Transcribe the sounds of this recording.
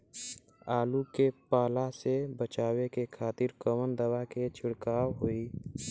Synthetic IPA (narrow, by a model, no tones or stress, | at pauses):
aːlukepaːlasebət͡ʃaːwekekʰaːt̪ɪɾkəmənd̪əwaket͡ʃʰɪɽkaːwɦoi